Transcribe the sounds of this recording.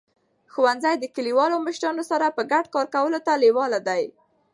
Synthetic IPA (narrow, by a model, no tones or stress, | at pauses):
xuwanzajd̪əkəliwɑloməʃɾɑnosaɾapəɡaɖkɑɾkawəlot̪alewɑlad̪aj